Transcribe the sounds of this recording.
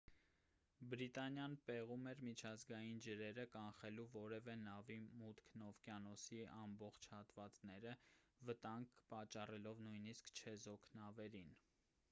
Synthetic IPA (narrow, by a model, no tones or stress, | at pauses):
bɾit̪ɑnjɑnpɛʁumɛɾmit͡ʃʰɑzɡɑjind͡ʒəɾɛɾəkɑnχɛluvɔɾɛvɛnɑvimut̪kʰnɔvkjɑnɔsiɑmbɔχt͡ʃʰhɑt̪vɑt͡snɛɾəvət̪ɑŋɡpɑt͡ʃːɑrɛlɔvnujniskʰt͡ʃʰɛzɔkʰnɑvɛɾin